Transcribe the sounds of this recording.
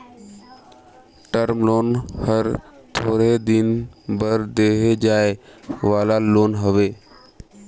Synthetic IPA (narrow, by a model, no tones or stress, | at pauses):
ʈəɾmloːnhəɾt̪ʰoːɾed̪ɪnbəɾd̪eːɦed͡ʒaːeʋaːlaloːnɦəʋeː